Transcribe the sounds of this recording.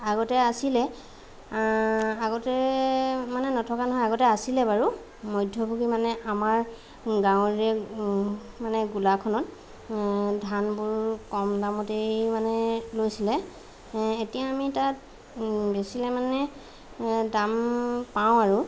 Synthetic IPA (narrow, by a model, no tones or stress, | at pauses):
aɡɔtɛasilɛ | aɡɔtɛ | manɛnɔtʰɔkanɔɦɔjaɡɔtɛasilɛbaɹu | mɔjdʱːɔbʱuɡimanɛʔamaɹ | ɡãwɹɛ | manɛɡulakʰɔnɔt | dʱanbʊɹkɔmdamɔtejmanɛlojsilɛ | etijaːmitat̚ | besilɛmanɛ | dampaw̃aɹu